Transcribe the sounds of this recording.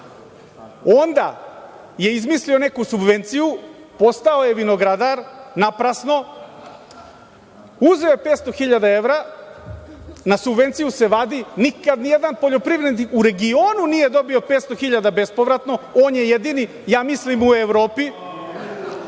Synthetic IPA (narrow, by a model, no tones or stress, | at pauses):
o̞nd̪a̰ | je̞izmislio̞ne̞kusubʋe̞nt̪siju | po̞st̪aojeʋinoɡɾad̪aɾnapɾasno̞ | uzeojepet̪st̪o̞xiʎad̪ae̞ʋɾa | nasubʋe̞nt̪sijuse̞ʋad̪inikad̪nije̞d̪anpo̞ʎo̞pɾiʋɾed̪iuɾe̞ɡio̞ːnunije̞d̪o̞bio̞pet̪st̪o̞xiʎad̪abe̞spo̞ʋɾat̪no̞oːnjejed̪ini | jaːmislimue̞ʋɾo̞ːpi